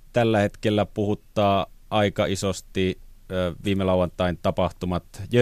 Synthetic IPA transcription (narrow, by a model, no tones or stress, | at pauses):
t̪ælːæhet̪kelːæpuhut̪ːˑɑːʔɑˑikɑisost̪i | ʋiːmelɑˑuwˑɑnt̪ˑɑˑint̪ɑpɑht̪umɑt̪jø